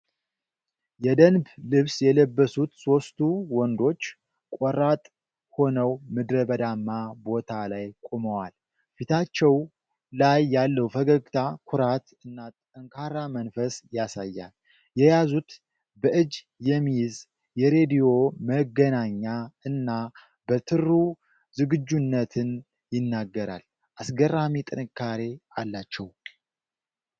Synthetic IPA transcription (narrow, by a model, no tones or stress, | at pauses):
jɛd̪ənblɨβsjɛləbːəsut̪so̞st̪ʰuwɔnd̪o̞t͡ʃː | kʼɔɾat̪ʼ | ho̞nəwmɨd̪ɾəbəd̪amːabo̞t̪ʰalajkʼoməwal | fit̪ʰat͡ʃːɛw | lajːalːəwfəɡəɡt̪ʰakʰʊɾat̪ɨnːat̪ʼ | əŋkʰaɾamənfəsjasajːa̰l | jɛjazut̪ | bəʔɨd͡ʒ | jɛmːijz | jɛɾe̞d̪ijo̞məɡənaɲːaɨnːa | bət̪ʰɨru | zɨɡɨd͡ʒːunːət̪ʰɨn | jɪnːaɡːəɾa̰l | ʔasɡəramit̪ʼɨnɨkʰːaɾe̞alːat͡ʃːɛw